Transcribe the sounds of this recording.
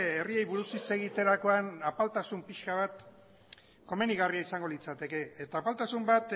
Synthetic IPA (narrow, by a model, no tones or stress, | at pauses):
erie̞jβuɾusise̞ɣ̞it̪e̞ɾako̞anapalt̪asumpiʃkaβ̞at̪ | ko̞me̞niɣariaisaŋɡo̞lit͡sat̪e̞ke̞ːt̪aːpalt̪asumbat̪